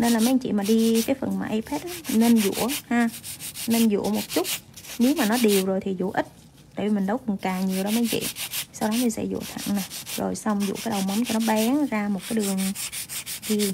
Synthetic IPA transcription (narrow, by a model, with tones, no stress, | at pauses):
ne˧nlaː˨˩ma˨˦ŋt͡ɕḭ˧˨maː˨˩ɗi˧kaː˨˦jfə˨˩nmaː˨˩ʔa˧jpʰɛ˦˥t̚ʔaː˨˦ne˧nzṵ˧˥əhaː˧ne˧nzṵ˧˩˥əmo˨˩t̚t͡ɕʊ˦˥t̚ne˨˦wmaː˨˩nɔ˨˦ɗi˨˩əwzo˨˩jt̪ʰi˨˩zṵ˧˥ʔï˦˥t̪̚ | aː˧˩jvi˨˩mï˨˩ŋ̟ɗə˨˦wkʊ˨˩ŋ͡mkaː˨˩ŋɲi˨˩əwɗɔ˨˦ma˨˧˦ŋt͡ɕḭ˧˨sa˧wɗɔ˨˦mi˨˩sɛ̰˧˥zṵ˧˩ət̪ʰə̰˧˩˨ŋna˨˩jzo˨˩jsa˧wŋ͡mzṵ˧˥˨kaː˨˦jɗə˨˩wma˨˦mt͡ɕɔ˧nɔ˨˦ɓa˨˦ŋzaː˧mo˨˩t̚kaː˨˦jɗɨ˨˩əŋ | ɗi˧